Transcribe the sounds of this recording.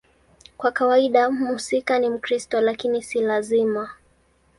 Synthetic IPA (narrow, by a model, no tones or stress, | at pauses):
kwakawaiɗamuusikanim̩kɾistɔlakinisilazima